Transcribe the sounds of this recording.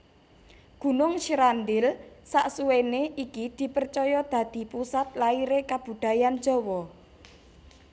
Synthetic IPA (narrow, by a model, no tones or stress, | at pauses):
ɡ̥ṳnʊŋʃiɾand̪ɪlsaʔsuweneikid̪̥i̤pərt͡ʃɔjɔd̪̥ä̤d̪̥i̤pusat̪̚laiɾekab̥ṳd̪̥a̤jan̥d͡ʒ̥ɔ̤wɔ